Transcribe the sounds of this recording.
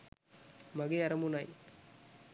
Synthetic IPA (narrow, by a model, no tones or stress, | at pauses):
mɐɣɪɐɾɐmunaj